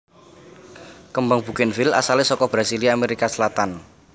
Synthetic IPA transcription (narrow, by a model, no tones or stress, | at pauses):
kəmbaŋb̥ṳkɪnfila̰salɪsɔkɔbɾasiliameɾikasəlat̪an